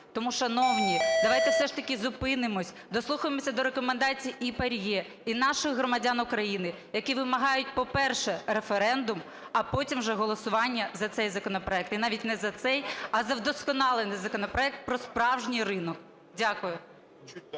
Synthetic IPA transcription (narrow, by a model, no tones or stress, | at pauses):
t̪ɔmuʃɐnɔwnʲid̪ɐʋɑjt̪ɛwsɛʃt̪ɐkʲizʊpɪnɪmɔsʲ | d̪ɔslˠuxɐjɪmɔsʲɐd̪ɔɾekɔmend̪ɑt͡sʲijiʔipɐɾʲjɛ | inɑʃɪxɦɾɔmɐdʲanʊkɾɐjinɪ | jɐkiʋɪmɐɦɑjʊt̚ʲpɔpɛrʃɛɾefeɾɛnd̪ʊm | ɐpɔtʲimwʒɛɦɔlˠɔsʊʋɑnʲːɐzɐt̪sɛjzɐkɔnɔpɾɔɛk̚t̪inɑʋʲitʲnɛzɐt̪sɛjɐzɐwd̪ɔskɔnɑlˠenɪjzɐkɔnɔpɾɔɛk̚t̪̚pɾɔspɾɑwʒnʲijrɪnɔk | dʲakʊjʊ